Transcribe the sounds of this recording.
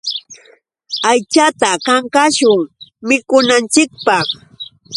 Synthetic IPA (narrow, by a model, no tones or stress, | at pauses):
ajt͡ʃat̪akaŋkaʃʊŋmɪkʊnant͡ʃɪk̚pɑχ